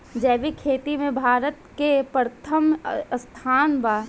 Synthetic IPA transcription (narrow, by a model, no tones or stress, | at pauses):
d͡ʒɛːʋikʰeːt̪imẽbʱaːɾət̪kepɾət̪ʰəmst̪ʰaːnba